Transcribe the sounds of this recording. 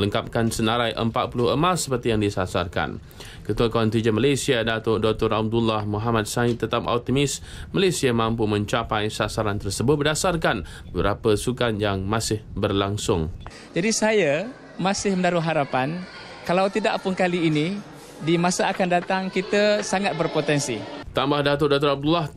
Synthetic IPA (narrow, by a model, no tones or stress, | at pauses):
ləŋkap̚kansənaɾajʔə̰mpat̪̚pulʊɦəmasːəpərt̪ijaŋdisasa̰rka̰n | kət̪uakɔnt̪ɾid͡ʒənmalasiadat̪ʊʔdɔk̚t̪ɔɾab̚dulːahmuɦamat̪̚sait̪ət̪ap̚ɔ̰k̚t̪imɪs | malasiamãmpumə̃ɲt͡ʃapajsasaɾant̪ərsəbʊt̪̚bərdasarkan | bəɾapəsukanjaŋmãsɪhbərlaŋsʊŋ | d͡ʒadisaja | masɪhməndaɾuɦaɾapan | kalawt̪idaʔpʊnkaliːni | dimasaakandat̪aŋkit̪əsaŋat̪̚bərpot̪ɛnsit̪ambahdat̪ʊdɔt̪ʊɾab̚dulːah